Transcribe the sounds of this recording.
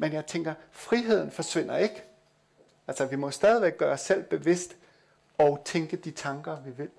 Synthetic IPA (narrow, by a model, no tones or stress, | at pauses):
menjɑ̈ɪt͡sʰeŋɡ̥ɐfʁiɦe̝ð̞̰ˠn̩fɒ̽sʋe̝n̰ɐe̝ɡ̥ə | ælsɐʋimɒ̽sd̥ɛːð̞ˠiʋeɡ̥̚ːɶːɐɒsːel̰b̥e̝ʋe̝sd̥ | ɒ̽ʊt͡sʰeŋɡ̥əd̥it͡sʰɑ̈ŋɡ̥ɐʋiʋe̝l